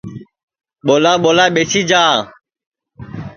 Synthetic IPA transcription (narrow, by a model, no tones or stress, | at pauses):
ɓolaɓolaɓesid͡ʒaː